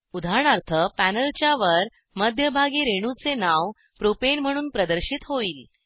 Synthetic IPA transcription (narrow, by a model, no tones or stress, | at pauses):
ud̪ʱaɳ̃aɾt̪ʰəpænəlt͡ɕjaʋəɾ | məd̪ʱjəbʱaɡiːɾeɽ̃ut͡senaʋ | pɾopenm̤əɽ̃uːnpɾəd̪əɾɕiːt̪ɦoiːl